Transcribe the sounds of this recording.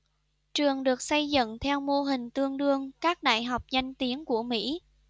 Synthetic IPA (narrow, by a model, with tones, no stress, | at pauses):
t͡ɕɨ˨˩əŋɗɨ˨˩ək̚sa˧jzɨ̰˧˨ŋt̪ʰɛ˧wmo˧ɦï˨˩ŋ̟t̪ɨ˧əŋɗɨ˧əŋkaː˦˥k̚ɗa̰ː˧˨jɦa˨˩wk͡p̚za˧jŋ̟t̪i˨˦ənku˧˩əmḭ˧˥